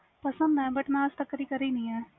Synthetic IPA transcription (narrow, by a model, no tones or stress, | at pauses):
pɐsə̃nd̪ɦɛ̃ːbɐʈmɛ̃ast̪ɐkːəɾikɐɾeinɐɦĩɦɛ̃ː